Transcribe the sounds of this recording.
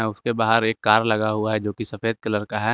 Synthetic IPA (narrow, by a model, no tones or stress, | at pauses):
ɛʊskebaːɦəɾeːkːaːɾlɐɡaɦʊaɦɛd͡ʒoːkisɐfeːd̪̚kɪlɐɾkaɦɛː